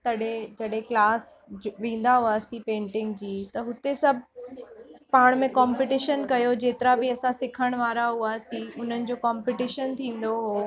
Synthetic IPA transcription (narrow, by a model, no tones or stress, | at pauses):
t̪ɐɗed͡ʑɐɗɦẽklaːsʋĩːn̆d̪aɦuaːsĩpẽːɳʈɪ̃ŋɡd͡ʑiːt̪ɐɦʊt̪esɐbʱ | paːɽ̃mẽkãːmpɪʈɪʃənkɐjod͡ʑeːt̪ɪɾabɪɐsãsɪkʰəɽ̃ʋaːɾaɦuaːsiʊn̤ənɪ̆d͡ʑoːkaːmpɪʈɪʃənt̪ʰĩːn̆d̪oɦoː